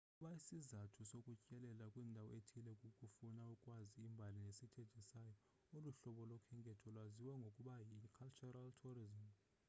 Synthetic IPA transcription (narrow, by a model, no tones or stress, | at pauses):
ukʼuɓaisizatʰusokʼut͡ʃʼɛlɛlakʼwiːndʱawɔ̰etʰilɛkʼukʼufunaukʼwaziːmbʱalinesitʰed̥ʱisajɔ | oluɬɔɓɔlɔkʰɛŋkʼɛtʰɔlwaziwaŋɡʱokʼuɓajikʰalt͡ʃuraltʰurizim